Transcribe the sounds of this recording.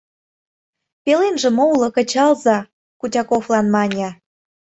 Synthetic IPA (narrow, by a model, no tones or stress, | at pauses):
pelenʒə̆moulˠɤ̆kə̆t͡ɕɑlzɑ | kutʲɑkoflɑnmɑnʲɑ